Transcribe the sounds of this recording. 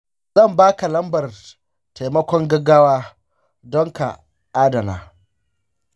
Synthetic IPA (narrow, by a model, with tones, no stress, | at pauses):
zɐ˦˨mbaː˦ka˨lɐ˦mbɐ˨r | ta˨jmɐ˦kʷɔ˦ŋɡɐ˦ɡaː˦waː˦ | dɔ˦ŋka̰˨ | ʔaː˦dɐ˨na̰ː˨